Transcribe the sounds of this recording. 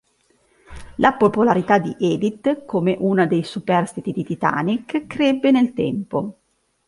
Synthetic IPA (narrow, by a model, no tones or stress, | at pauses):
lʔapopolaɾit̪ad̪iʔɛːd̪it̪komeʔunad̪ejsupɛrst̪it̪id̪it̪it̪a̰nikkːɾebːenelt̪ɛmpo